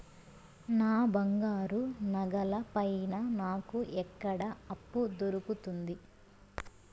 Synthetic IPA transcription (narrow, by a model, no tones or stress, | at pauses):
naːbɐŋɡaːɾunɐɡɐlɐpɐjnɐnaːkuʔɛkːɐɽɐɐpːud̪oɾukut̪und̪i